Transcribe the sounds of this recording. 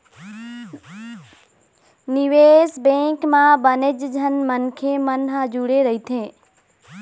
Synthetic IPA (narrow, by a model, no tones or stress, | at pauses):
nɪʋeːsbẽːkmãbənɪd͡ʒd͡ʒʱənmənkʰemənɦãd͡ʒuɽeɾəɦit̪ʰẽː